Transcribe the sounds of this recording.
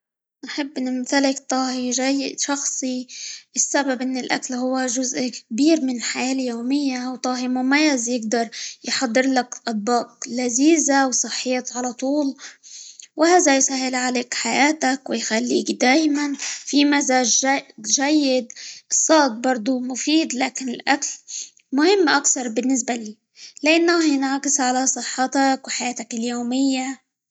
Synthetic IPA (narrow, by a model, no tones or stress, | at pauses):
nħɪbːʔɪnːɪmt̪alɪkt̪ˤɑːhiʒajːɪd̪ʃɑxsˤiɪsːababʔɪnːɪlʔa̰kalɦʊwːaʒʊzʔkbiːɾmɪnɪlħajaːljoːmɪjːawt̪ˤɑːhimʊmajːazjɪɡd̪ɑɾˤjħɑd̪ˤːɨɾˤlakʔɑd̪̚bɑːqlaziːzawsˤɨħːɪjat̪ʕalat̪ˤuːl | wɪhaːðajsaɦːɪlʕaleːkħajaːt̪akwɪjxalːḭːkd̪aːjmanfimazaːʒʒajːɪd̪sˤːɑːt̪̚bɑɾˤd̪ˤʊmʊfiːd̪laːkɪnɪlʔakl | mʊhɪmːʔakθɑɾˤbɪnːɪs̬baliː | laʔɪnːahjɪnʕakɪsʕalasˤɨħːɑt̪ɑkwɪħajaːt̪akɪljoːmɪjːa